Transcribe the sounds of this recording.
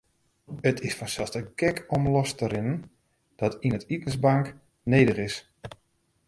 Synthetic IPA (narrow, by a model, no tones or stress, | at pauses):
ətʰɪsfɔnsɛlˠstəkɛkɔmlɔstəɾɪnən | d̥ɔtinətitən̩zbɑŋk | nejdəχɪs